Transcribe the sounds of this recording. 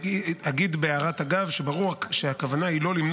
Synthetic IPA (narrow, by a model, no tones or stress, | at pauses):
iaɡid̪beaʁat̪aɡavʃe̞baʁuaʃeakavanailo̞limn